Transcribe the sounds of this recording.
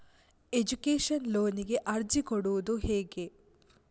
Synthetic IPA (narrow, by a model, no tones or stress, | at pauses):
ed͡ʒukeːʃɐnlo̞ːniɡe̞ʔɐɾd͡ʒikoɽuʋud̪uɦeːɡe̞